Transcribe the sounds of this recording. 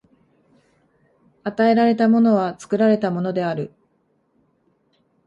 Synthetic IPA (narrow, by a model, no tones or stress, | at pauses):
at̪ae̞ɾaɾe̞t̪amo̞no̞β̞at͡sɨ̥kɯ̟ɾaɾe̞t̪amo̞no̞d̪e̞aɾɯ̟